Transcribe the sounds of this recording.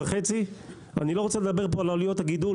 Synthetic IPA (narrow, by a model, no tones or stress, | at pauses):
aχet͡si | a̰nilo̞ʁot͡seled̪abe̞ʁpo̞alolijo̞t̪haɡid̪u